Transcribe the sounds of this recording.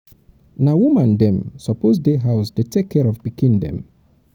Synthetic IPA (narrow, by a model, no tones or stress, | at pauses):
nawumãndɛ̃msɔpozdeɦaʊsdetʰekʰːɛɹɔvbikʰĩndɛ̰̃m